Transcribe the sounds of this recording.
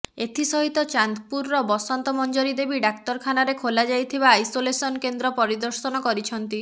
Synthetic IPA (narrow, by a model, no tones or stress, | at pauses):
et̪ʰisɔɦit̪ɔt͡ʃand̪puɾːɔbɔsɔnt̪ɔmɔnd͡ʒoɾid̪ebiɖakt̪ɔɾkʰanaɾekʰolad͡ʒajt̪ʰibaːjsolesɔnkend̪ɾɔpɔɾid̪ɔɾsɔnɔkɔɾit͡ʃʰɔnt̪i